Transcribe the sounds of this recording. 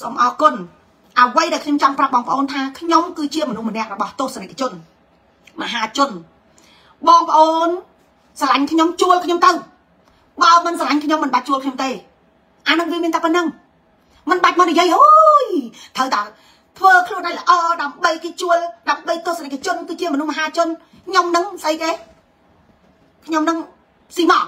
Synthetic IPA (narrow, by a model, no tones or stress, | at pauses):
soːmʔɑːkʊən | ʔəʋəjɗaɛkʰɲomt͡ɕɑmprap̚ɓɑːŋpə̆ʔoːnt̪ʰaːkʰɲomkɨːt͡ɕiəmɔnuhmənɛ̆əʔrɔɓɑht̪ʊːhsanak̚t͡ɕʊ̆ən | məɦaːt͡ɕʊ̆ən | ɓɑːŋpə̆ʔoːn | salaɲkʰɲomt͡ɕuəlkʰɲomt̪ɨw | ɓamɨnsalaɲkʰɲomːɨnɓac̚t͡ɕuəlkʰɲomt̪eː | ʔanɨŋʋiəmiənt̪aːpənːɨŋ | mɨnɓac̚manijiəjʔojt̪ʰəwt̪aɛ | t̪ʰʋəːkʰluənɗaːjləʔɑːɗaəmɓəjkeːt͡ɕuəlɗaəmɓəjt̪ʊəsanak̚ʰːat͡ɕʊənkɨːt͡ɕiəmɔnuhməɦaːt͡ɕʊ̆ən | kʰɲomnɨŋsəjkeː | kʰɲomnɨŋ | siːmɑʔ